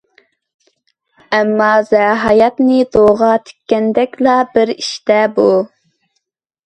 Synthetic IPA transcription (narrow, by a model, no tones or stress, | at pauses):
ɛmːɑzæɦɑjɑt̪nɪd̪oʁɑt̪ʰe̥kʲːɛnd̪ɛkʲlɑbɪɾiʃt̪ɛbu